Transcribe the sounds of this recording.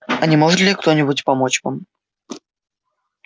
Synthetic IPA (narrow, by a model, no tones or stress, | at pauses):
ɐnʲɪmo̞ʐɨt̪lʲɪkt̪o̞nʲɪbʊtʲpɐmo̞t͡ɕvam